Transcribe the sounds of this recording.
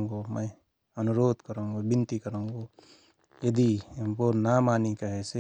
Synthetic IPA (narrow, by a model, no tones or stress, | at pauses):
ŋɡoːmɐ̃ | ɐnʊɾoːd̪kɐɾõːŋɡobɪ̃nt̪ikɐɾõːŋɡoː | jɐd̪impoːɾnaːmaːnikɐɦese